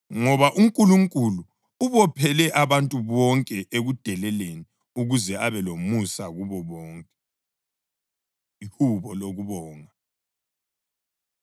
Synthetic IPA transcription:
ŋɔβaʔuŋkʼuluŋkʼulu | uβɔpʰɛlɛʔaβantʼuβɔŋkʼɛʔeɣud̥ʱɛlɛleni | uɣuzɛaβɛlomusaɣuβɔβɔːŋkʼɛ | ihuβɔloɣuβɔːŋa

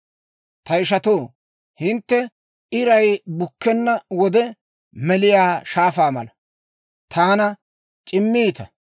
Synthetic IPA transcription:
t̪ɐɪʃɐt̪oː | hɪnt̪ːɛ | ɪɾɐjbʊkːɛnːɐwɔd̪ɛ | mɛlɪjaːʃaːfaːmɐ̰lɐ | t̪ʰaːnɐ | t͡ʃʼɪmːiːt̪ɐ

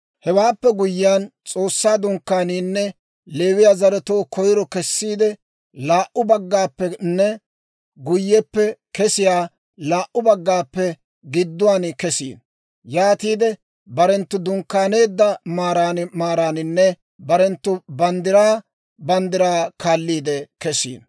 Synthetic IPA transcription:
hɛwaːpːɛɡʊjːɪjaːnt͡sʼoːsːaːd̪ʊŋkːaːniːnːɛ | le̞ːwɪjazɐɾɛt̪oːkʰɔjɪɾɔkɛsːiːd̪ɛ | laːʔʊbɐɡːaːpːɛnːɛ | ɡʊjːɛpːɛkɛsɪjaː | laːʔʊbɐɡːaːpːɛ | ɡɪd̪ːʊwaːnkɛsḭːn | jaːt̪iːd̪ɛ | bɐɾɛnt̪ːʊd̪ʊŋkːaːne̞ːd̪ːɐmaːɾaːnmaːɾaːnɪnːɛ | bɐɾɛnt̪ːʊbɐnd̪ɪɾaː | bɐnd̪ɪɾaːkaːlːiːd̪ɛkɛsḭːn

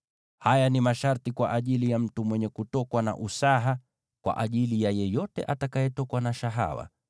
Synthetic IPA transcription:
hajanimaʃaɾtikwa̰ʔaʄilijam̩tumwɛɲɛkutɔkwana̰ʔusaɦa | kwa̰ʔaʄilijajɛjɔtɛ̰ʔatakajɛtɔkwanaʃaɦa̰wa̰

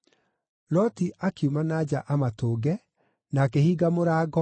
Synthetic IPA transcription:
lɔtiʔakjumanaːd͡ʑaʔamatoːɡɛ | nakehiːɡamoɾaːɡɔ

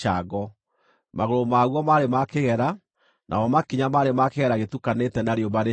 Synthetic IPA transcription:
aɡɔ | maɣoɾomaɣwɔmaɾemakeɣɛɾa | nʔa̰ɔmakiɲamaɾemakeɣɛɾaɣetukanetɛnaɾjombaɾe

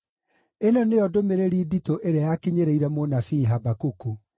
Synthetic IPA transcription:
enɔneɔdomeɾeɾiːditoʔeɾeajakiɲeɾeiɾɛmonafiːɦabakuku

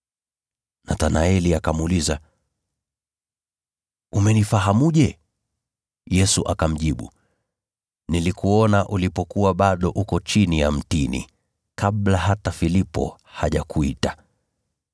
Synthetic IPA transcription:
natanaɛliakamːliza | umɛnifaɦamuʄɛ | jɛsuʔakam̩ʄiɓṵ | nilikuɔnaʔulipɔkuwaɓaɗɔʔukɔt͡ʃinijam̩tinḭ | kaɓlaɦatafilipɔ̰ | haʄakʰuita

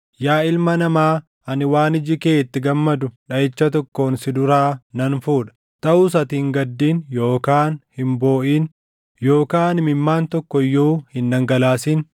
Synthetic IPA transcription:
jaːɪlmɐnɐmaː | ɐnɪwaːnɪd͡ʒɪkeːt̪ːɪɡɐmːɐd̪ʊᶑɐjɛt͡ʃːɐt̪ɔkːo̞ːnsɪd̪ʊɾaːnɐnfuːᶑɐ̥ | t̪ʼɐʔuːs̬ɐt̪iːŋɡɐd̪ːiːnjo̞ːkaːnhɪmbo̞ːʔiːn | jo̞ːkaːnmɪmːaːnt̪ɔkːɔjːuːhɪnːɐŋɡɐlaːsiːn

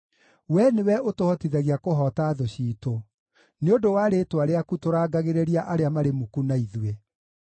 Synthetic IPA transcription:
wɛnewɛotohɔtiðɛɣeakoɦɔːtaðoɕiːto | neondowaɾetwaɾeakutoɾaːɡaɣeɾeɾiaʔaɾeamaɾemukunaiðwe

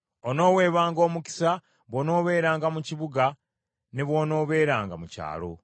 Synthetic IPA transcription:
ono̞ːwe̞ːβaːŋɡo̞ːmuki̥sa | βwono̞ːβe̞ːɾaːŋɡamuciβuɡa | neβwo̞ːno̞ːβe̞ːɾaːŋɡamuca̰ːlo̞

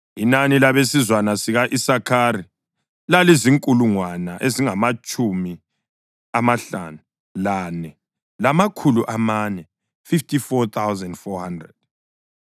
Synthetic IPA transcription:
inanilaβesizwanasiɣaʔisakʰaːɾi | laliziŋkʼuluŋwanaʔeziŋamat͡ʃʼumi | amaɬa̰ːnu | lanɛ | lamakʰuluʔamanɛ | fiftifɔt̪ʰawzɛndfɔhandrɛd̥̚

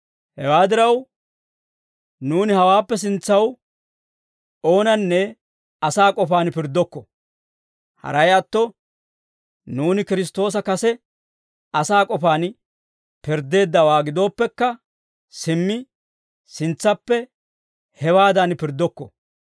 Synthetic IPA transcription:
hɛwaːd̪ɪɾɐw | nuːnɪhɐwaːpːɛs̬ɪnt͡sːɐw | o̞ːnɐnːɛ | ɐsaːkʼɔfaːnpɪɾd̪ɔkːɔ | hɐ̰ɾɐjɐt̪ːɔ | nuːnɪkɪɾɪs̬t̪o̞ːs̬ɐkɐsɛ | ɐsaːkʼɔfaːn | pɪɾd̪e̞ːd̪ːɐwaːɡɪd̪o̞ːpːɛkːɐ | sɪmːɪ | sɪnt͡sːɐpːɛ | hɛwaːd̪ɐnpɪɾd̪ɔkːɔ̰

